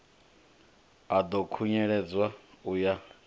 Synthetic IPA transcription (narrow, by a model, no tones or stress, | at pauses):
ad̪ɔkʰuɲɛɺɛd͡zwauja